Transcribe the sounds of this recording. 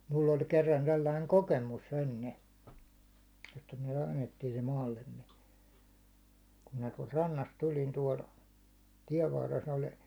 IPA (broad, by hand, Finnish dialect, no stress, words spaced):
mulː olʲ kerːɑn selːɑiŋ kokemus enːe etːæ myæ̹ kɑnːetːiː se mɑːlːemːe kum minæ tuɒlt rɑnːɑst tulʲin tuɒl tiɛʋ ʋɑrːes olʲ